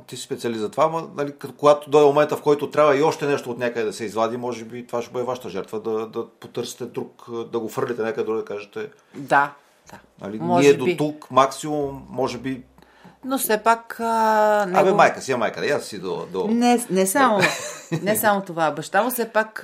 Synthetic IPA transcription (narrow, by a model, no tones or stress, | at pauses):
t̪isi̥spɛt̪siɐlizɐt̪ovamɐnɐlikkoɡat̪od̪ɔmomɛnt̪əfkɔjt̪ot̪ɾʲabvɐiɔʃt̪ɛnɛʃt̪oot̪nʲakəd̪ɛd̪ɐsɛizvˠad̪imɔʒɛbit̪ovaʃɛbəɛvaʃə̥t̪əʒɛɾt̪vəd̪ɐd̪ɐpot̪ɤɾsi̥t̪ɛd̪ɾukd̪ɐɡofɤɾlʲit̪ɛnɛkəd̪ɛd̪ɾuɡd̪ɐkaʒɛt̪ɛ | d̪a | d̪̥anɐ̰linmɔiʒɛd̪oit̪ukmaksimummːɔʒɛbi | nofsɛpakənamɛmajkəsimajkəd̪ɛjassid̪o̰d̪onɛnɛsamonɛsamot̪ovabɐʃt̪amosɛpak